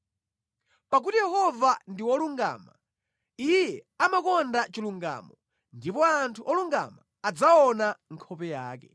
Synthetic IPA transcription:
pak̬utijɛhɔvandiwɔluŋɡa̰ːma | ijɛamakɔndat͡ʃiluŋɡa̰ːmɔ | ndipɔantʰuʔɔluŋɡa̰maːd͡zaɔnaŋkʰɔpɛjaːk̬ɛ

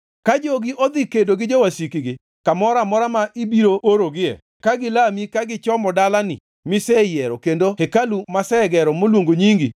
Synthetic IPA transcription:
kad͡ʒoɡɪʔod̪ikedoɡɪd͡ʒowasikiɡɪ | kamɔɾamɔɾamaʔibiɾoʔoɾoɡɪɛ̰ | kaɡɪlamikaɡɪt͡ʃɔmɔdalanɪ̰ | mɪsɛjɛɾɔkendohekalumasɛɡɛɾɔmolwoŋɡoɲiŋɡi

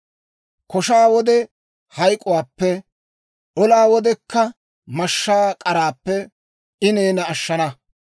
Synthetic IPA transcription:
kɔʃaːwɔd̪ɛ | hɐjkʼʊwaːpːɛ | ʔɔlaːwɔd̪ɛkːɐ | mɐʃːaːkʼɐɾaːpːɛ | ʔɪneːnɐːʃːɐnɐ

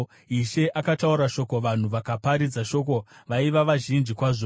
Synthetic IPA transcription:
iʃe̞ʔakatauɾaʃo̞ko̞ʋan̤uʋakapaɾid͡zaʃo̞k̬o̞ʋaiʋaʋaʒind͡ʒikwaʐo

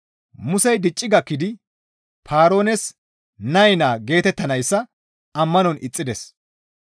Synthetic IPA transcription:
mʊsɛjd̪ɪt͡ʃʼːɪɡɐkːɪd̪ɪ | pʰaːɾo̞ːnɛs | nɐjnaːɡe̞ːt̪ɛt̪ːɐnɐjsːɐ | ɐmːɐnɔnʔɪ̰t͡sʼːɪd̪ɛs

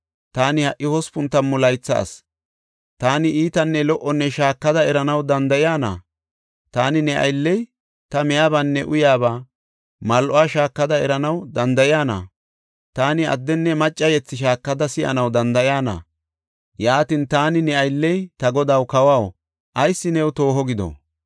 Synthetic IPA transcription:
t̪aːnɪhɐʔːɪhɔspʊnt̪ːɐnmʊlɐjt͡sːɐ̰ːs | t̪aːnɪʔiːt̪ɐnːɛlɔʔɔnːɛʃaːkːɐd̪ɐɛɾɐnɐwd̪ɐnd̪ɐjaːnɐ̰ | t̪aːnɪnɛʔɐ̰jlːɛj | t̪ɐmɛjaːbɐnːɛʔʊjaːbaː | mɐlʔɔaːʃaːkːɐd̪ɐɛɾɐnɐwd̪ɐnd̪ɐjɪaːnɐ̰ | t̪aːnɪɐ̰d̪ːɛnːɛmɐt͡ʃʼːɐjɛt͡sːɪʃ̬aːkːɐd̪ɐsɪʔɐ̰nɐwd̪ɐnd̪ɐjaːnɐ̰ | jaːt̪ɪnt̪aːnɪnɛɐjlːɛjt̪ɐɡɔd̪awkɐwɐw | ʔɐjsːɪnɛwt̪o̞ːɦɔɡɪd̪ɔ̰

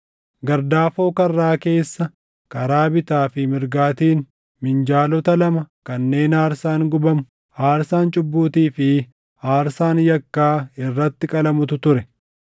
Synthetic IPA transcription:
ɡɐɾd̪aːfoːkɐrːaːke̞ːsːɐ | kɐɾaːbɪt̪aːfɪmɪɾɡaːt̪iːn | mɪnd͡ʒaːlɔt̪ɐlɐmɐkɐnːe̞ːnaːɾsaːŋɡʊbɐmʊ | haːɾsaːnt͡ʃʼʊbːuːt̪iːfɪ | aːɾsaːnjɐkːaːɪrːɐt̪ːɪkʼɐlɐmʊt̪ʊt̪ʊɾɛ

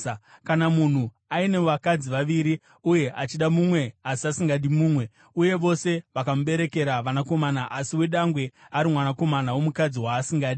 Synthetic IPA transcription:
kanamun̤u | aine̞ʋakad͡ziʋaʋiːɾi | uje̞ʔat͡ʃiɗamumwe̞asiasiŋɡaɗimuːmwe̞ | uje̞ʋo̞se̞ʋakamuɓe̞ɾe̞ke̞ɾaʋanako̞manaʔasiwe̞ɗaŋɡwe̞aɾimwanako̞manawo̞mukad͡ziwaːsiŋɡaːɗi

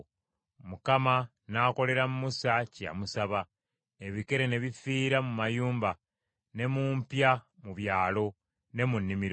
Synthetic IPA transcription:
mukama | nako̞le̞ɾamumusaca̰musaβa | eβike̞ɾe̞ne̞βifiːɾamumajuːmba | ne̞muːmpjamuβjaːlo̞ | ne̞munːimiɾo

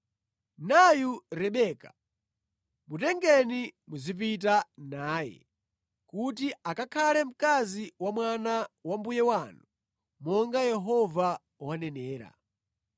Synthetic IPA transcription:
najuɾɛɓɛːka | mutɛŋɡɛnimuzip̬it̬anaːjɛ̰ | kut̬iakakʰalɛm̩kaziwamwanawambujɛwanu | mɔŋɡajɛɦɔva | wanɛnɛːɾa̰

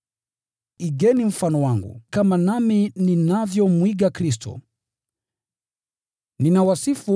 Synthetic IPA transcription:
iɡɛnim̩fanɔwaŋɡṵkamanamininavjɔmwiɠakɾis̬tɔ̰ | ninawasifu

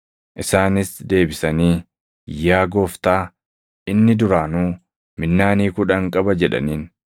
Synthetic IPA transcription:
ʔɪsaːnɪsd̪e̞ːbɪsɐniː | jaːɡoːft̪aː | ʔɪnːɪd̪ʊɾaːnuː | mɪnːaːniːkʊᶑɐŋkʼɐbɐd͡ʒɛᶑɐ̰niːn

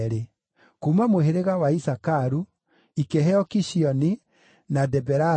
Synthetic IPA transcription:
ɾe | kumamoɦeɾeɣawaisakaɾu | ikeɦɛɔkiʃiɔni | nadɛbɛɾa

